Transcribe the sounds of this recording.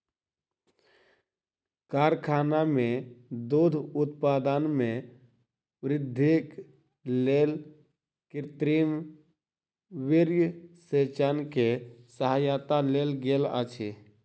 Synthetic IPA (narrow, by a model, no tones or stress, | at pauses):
kaːɾkʰaːnamẽd̪oːd̪ʱʊt̪paːd̪ənmẽ | ʋɾɪd̪ʱːek | leːl | kɪɾt̪ɾiːm | ʋɪɾjəset͡ʃankesəɦajat̪aleːlɡelə̰t͡ʃʰe